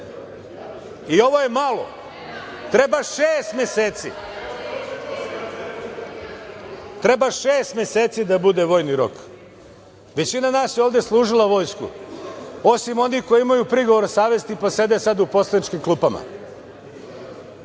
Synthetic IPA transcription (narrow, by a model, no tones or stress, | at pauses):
io̞ʋo̞je̞malˠo̞̰ | t̪ɾe̞baʃeːst̪mʲeseːt̪sḭ | t̪ɾe̞baʃeːst̪mjeseːt̪sid̪abud̪e̞ʋo̞ːjniɾo̞̰k | ʋe̞t͡ɕinanaːsjeo̞ːʋd̪e̞slˠuːʒilˠaʋo̞jskṵ | o̞simo̞nixko̞jiimajupɾiɡoʋo̞ɾsaːʋe̞st̪ipose̞d̪esad̪upo̞slenit͡ʃkimklˠuːpama̰